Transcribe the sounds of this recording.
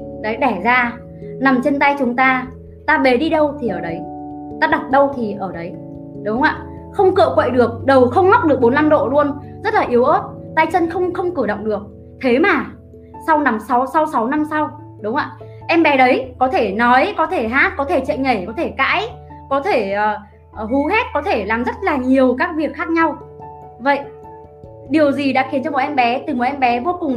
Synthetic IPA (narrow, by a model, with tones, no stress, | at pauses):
ɗə˨˦jɗɛ˧˩zaː˧ | na˨˩mt͡ɕe˧nt̪a˧jt͡ɕʊ˨˦ŋ͡mt̪aː˧ | t̪aː˧ɓe˨˦ɗi˧ɗə˧wt̪ʰi˨˩ʔəː˧˩ɗə˨˦j | t̪aː˧ɗa˨˩t̚ɗə˧wt̪ʰi˨˩ʔəː˧˩ɗə˨˦j | ɗʊ˨˦wŋ͡mʔa̰ː˧˨ | xə˧wŋ͡mkɨ̰˧˨əkwə̰˧˨jɗɨ˨˩ək̚ɗə˨˩wxə˧wŋ͡mŋa˦˥k͡p̚ɗɨ˨˩ək̚ɓo˨˦nla˧mɗo̰˧˨lu˧ənzə˦˥t̚laː˨˩ʔi˨˦əwʔə˦˥t̚t̪a˧jt͡ɕə˧nxə˧wŋ͡mxə˧wŋ͡mkɨ˧˩ɗə̰˧˨wŋ͡mɗɨ˨˩ək̚ | t̪ʰe˨˦maː˨˩ | sa˧wna˨˦msa˨˦wsa˨˧˦wsa˨˦wna˧msa˧w | ɗʊ˨˦wŋ͡mʔa̰ː˧˨ | ʔɛ˧mɓɛ˨˦ɗə˨˦jkɔ˨˦t̪ʰe˧˩nɔ˨˦jkɔ˨˦t̪ʰe˧˩ɦaː˦˥t̚kɔ˨˦t̪ʰe˧˩t͡ɕə̰˧˨ŋə˧˩jkɔ˨˦t̪ʰe˧˩ka̰ː˧˥j | kɔ˨˦t̪ʰe˧˩˨ | ɦu˨˦ɦe˦˥t̚kɔ˨˦t̪ʰe˧˩laː˨˩mzə˦˥t̚laː˨˩ɲi˨˩əwkaː˦˥k̚vi˨˩ək̚xaː˦˥k̚ɲa˧w | və̰˧˨jʔ | ɗi˨˩əwzi˨˩ɗa̰ː˧˥xi˨˦nt͡ɕɔ˧mo˨˩ʔɛ˧mɓɛ˨˦t̪ɨ˨˩mo˨˩ʔɛ˧mɓɛ˨˦vo˧kʊ˨˩ŋ͡m